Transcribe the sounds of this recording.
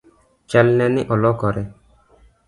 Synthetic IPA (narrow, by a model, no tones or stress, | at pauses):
t͡ʃɛlnɛniʔɔlɔkɔɾɛ